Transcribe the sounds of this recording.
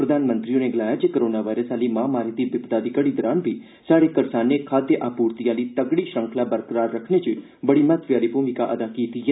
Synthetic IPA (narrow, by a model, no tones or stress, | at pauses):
pɾəd̪aːnmə̃nt̪ɾioneːɡəlaːjaːt͡ʃekəɾoːnaːʋaːiɾəsaːliːmãːmaːɾiːd̪iːbɪpd̪aːd̪iːkəɽiːd̪əɾaːnbʱiː | saːɽeːkəɾsaːneːkʰaːd̪jəʔaːpuːɾt̪ijãːliːt̪əɡɽiːʃə̃ŋkʰlaːbəɾkəɾaːɾːəkʰneːt͡ʃ | bəɽiːmət̪ʋjaːliːpuːmɪkaʔəd̪aːkiːt̪iːɛː